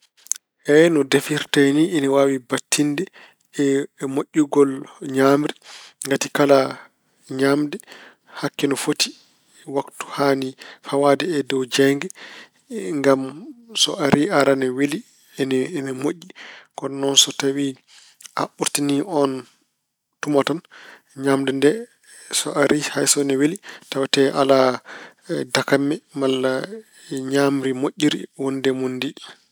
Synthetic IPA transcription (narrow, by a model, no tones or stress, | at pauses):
ʔɛnɔdefiɾtaniːnɛwaːwibatʰːindɛ | ɛmoʔʲːuɡɔlɲamɾɛŋɡatikala | ɲamdɛ | hakːɛnɔfoti | waktu̥haːnifawaːdɛːdɔwd͡ʒɛŋɡɛ | ŋɡamsɔ̰ʔaɾiaɾanɛwili | nːnɛmoʔːikɔnɔnsɔtawi | ʔa̰ɓuɾtiniɔn | tumatan | ɲamdɛndɛ | sɔ̰ʔaɾihajsɔnɛwelitawatɛʔala | dakamːɛmalːa | ɲamɾimoʔʲːiɾḭwɔndɛmondi